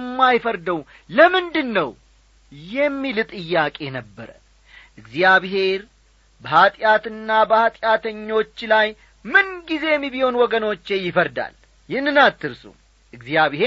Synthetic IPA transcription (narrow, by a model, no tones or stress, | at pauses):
mːajfəɾd̪əw | ləmɨnd̪ɨnːəw | jɛmːilɨt̪ʼɨjːakʼe̞nəbːəɾə | ʔɨɡzijaβɦe̞ɾ | bəhat̪ʼjat̪ɨnːabəhat̪ʼjat̪ʰəɲːo̞t͡ʃːlaj | mɨnɡize̞jɛmːibiho̞nwɔɡəno̞t͡ʃːe̞jɪfəɾd̪a̰l | jɪnːɨnat̪ːɨɾsṵ | ʔɨɡzijaβhe